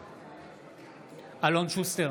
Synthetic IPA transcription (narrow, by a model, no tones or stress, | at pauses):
alõnʃust̪eʁ